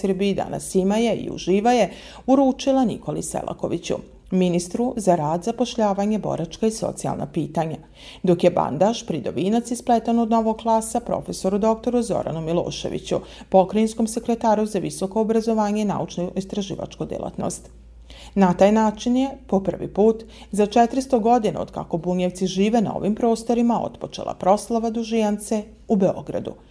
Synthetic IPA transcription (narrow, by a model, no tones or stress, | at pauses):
rbiid̪a̰na̰simaje̞ḭṵʒiːʋaje̞ | uɾuːt͡ʃilˠanḭko̞lisḛlˠʔa̰ko̞ʋit͡ɕṵ | minist̪ɾuzaɾaːd̪zapo̞ʃʎaːʋaɲebo̞̰ɾat͡ʃkaiso̞̰t̪sia̰lˠnʔa̰piːt̪aɲa | d̪o̞kje̞ba̰nd̪aʃpɾid̪o̞̰ʋiːnat̪sisplet̪anod̪no̞ʋo̞ɡ̚klˠaːsapɾo̞̰fe̞so̞ɾud̪o̞k̚t̪o̞ɾuzo̞̰ɾa̰numilˠo̰ːʃe̞̰ʋḭt͡ɕṵpo̞kɾainsko̞mse̞kɾet̪aːɾuzaʋiso̞ko̞ːbɾazo̞ʋaːɲeina̰ut͡ʃnoist̪ɾaʒḭːʋa̰t͡ʃkod̪jḛlˠa̰t̪no̞̰st̪ | nat̪aːjnaːt͡ʃinje̞po̞pr̩ʋḭpuːt̪ | zat͡ʃet̪ɾist̪o̞ɡo̞d̪ina̰o̞d̪ka̰ko̞buɲeʋt̪siʒiːʋe̞nao̞̰ʋimpɾo̞ːst̪o̞ɾimao̞̰t̪po̞t͡ʃe̞̰la̰pɾo̞slˠaʋad̪uʒijant̪se̞ | ube̞o̞̰ɡɾa̰d̪ṵ